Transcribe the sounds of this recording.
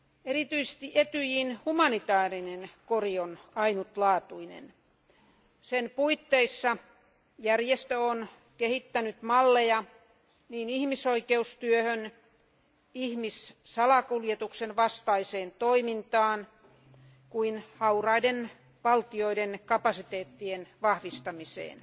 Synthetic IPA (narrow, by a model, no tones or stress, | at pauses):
erit̪yise̥st̪iʔet̪yjiːnhumɑnit̪ɑːrinenkorionɑinut̪lɑːt̪uinḛn | senpuit̪ːeisːɑ | jærjest̪øon | kehit̪ːænyt̪mɑlːejɑ | niːnihmisoikeust̪yøhøn | ihmissɑlɑkuljet̪uksenʋɑst̪ɑiseːnt̪oimint̪ɑːn | kuinhɑurɑiden | ʋɑlt̪ioidenkɑpɑsit̪eːt̪ːienʋɑhʋist̪ɑmisḛːn